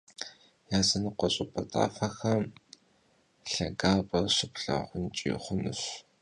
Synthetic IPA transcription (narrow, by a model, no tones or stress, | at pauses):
jaːzɐnɨqʷɔɕʼɪpʼɐtʼa̰ːfɐxɐm | ɬɐɡaːpʼɐrɕɪpɬɐ̰ʁʷʊnt͡ʃʼḭːχʷʊnɨɕ